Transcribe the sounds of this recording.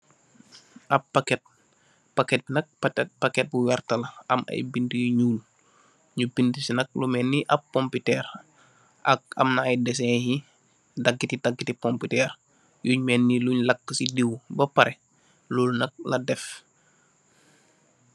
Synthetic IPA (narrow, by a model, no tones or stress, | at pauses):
ʔɐpːakɛt̚ | pakɛt̚nɐk̚p̚pakɛt̚buwɛrtɐlɐʔɐ̰mɐ̰jbintujuɲuːl | ɲubintisinɐk̚lumɛnːiʔɐp̚ːɔmpitɛɾ | ʔɐ̰k̚ɐ̰mnaɐjdɛsɛhi | dɐɡːitidaɡːitipɔmpitɛːr | juɲmɛnːiluɲlɐkːəsidiwbɐpɐɾʔɛ | luːlnɐk̚lɐdɛf